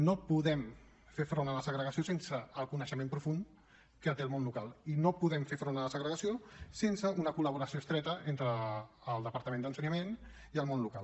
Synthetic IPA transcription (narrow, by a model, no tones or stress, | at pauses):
nopuðɛm | fefɾonələsəɣɾəɣəsiosensəːlˠkunəʃəmẽmpɾufun | kət̪eəlˠmonlukalˠinopuðɛmfefɾonələsəɣɾəɣɐsiosensəunəkuləβ̞uɾəsioəst̪ɾɛt̪əʔent̪ɾəːlˠd̪əpəɾt̪əmẽnd̪ənsəɲəmen | iəlˠmonluka̰lˠ